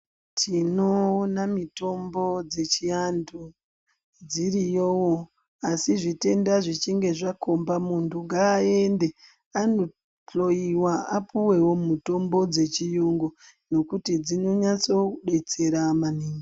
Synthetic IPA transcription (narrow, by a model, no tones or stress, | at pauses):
tʰino̞ːnamito̞mbo̞d͡ze̞t͡ʃiandu | d͡zirijowo | asiʐite̞ndaʐit͡ʃiŋɡe̞ʐako̞mbamuntʰuŋɡaːe̞nde̞ | ano̞ | t͡ɬo̞jiwaapuwe̞wo̞muto̞mbo̞d͡ze̞t͡ʃijuŋɡo | no̞kutid͡zino̞ɲat͡so̞uɗe̞t͡se̞ɾamaniːŋɡi